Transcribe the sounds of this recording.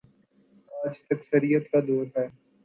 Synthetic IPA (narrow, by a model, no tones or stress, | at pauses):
aːd͡ʒt̪ɐksəɾijət̪kad̪oːɾɦɛː